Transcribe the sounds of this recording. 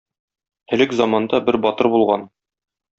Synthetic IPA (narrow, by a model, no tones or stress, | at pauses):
ɘ̆lɘkzɑmɑnd̪ɑbɘɾbɒt̪ɤɾbulˠʁɑn